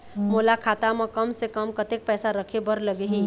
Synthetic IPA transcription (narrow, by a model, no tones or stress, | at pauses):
molakʰaːt̪amə̃kəmsekəmkət̪ek̚pɛːsaɾəkʰebəɾləɡeɦĩ